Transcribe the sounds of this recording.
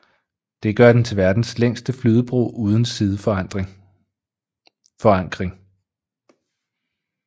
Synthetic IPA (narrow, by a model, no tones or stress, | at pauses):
d̥e̝ɡ̥ɶɐd̥ent͡sʰe̝lʋæɐd̥n̩sleŋ̰sd̥əflyːð̞ˠəb̥ʁo̝̰ːʔuːð̞ˠn̩siðˠə̥ | fɒ̽ɑ̈ŋ̰ɡ̥ʁeŋ